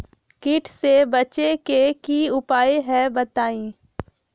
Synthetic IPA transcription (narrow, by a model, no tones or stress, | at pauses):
kɪʈʰsebɐt͡ʃekekiʊpaːeɦɛbɐt̪aːĩː